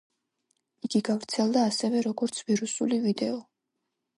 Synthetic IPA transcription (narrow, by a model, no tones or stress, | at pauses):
iɡiɡavɾt̪sʰɛlˠd̪aːsɛvɛɾɔɡɔɾt̪sʰviɾusṵlivid̪ɛɔ